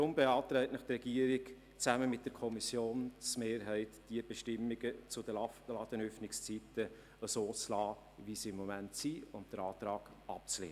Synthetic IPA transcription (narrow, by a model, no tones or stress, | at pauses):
ɾʊmbeɑːt̪ɾɛɪtnəχt̪rɛɡ̥iəɾɪk | t͡sæməmɪt̚d̥əɾkʰɔmisjoːnt͡smeːɾɦɛɪtd̥iəb̥ɛʃtɪmːɪɡ̥ət͡sʊd̥əlɑd̥̪ənœfnɪkst͡sitə | əsoːt͡slɑː | visiɪmːɔmæntsiʊntd̥əɾɑːt̪ɾɑːɡ̥ | ɑ̰p̚t͡slḛːn